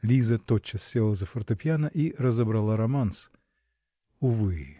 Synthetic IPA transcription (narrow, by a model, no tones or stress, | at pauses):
lʲizət̪ot͡ɕːəsːʲelˠəzəfərt̪ɐpʲjanəʔirəzəbɾɐlˠaɾɐmans | ʊvɨ